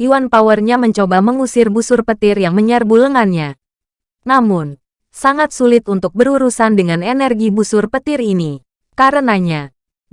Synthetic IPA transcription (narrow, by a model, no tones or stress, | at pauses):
ʔiwanpawərɲaməɲt͡ʃobaməŋusɪrbusʊrpət̪ɪrjaŋməɲərbuləŋanɲa | namʊn | saŋat̪̚sulɪt̪unt̪ʊk̚bəɾuɾusandəŋanɛnɛrɡibusʊrpət̪ɪrini | kaɾənaɲa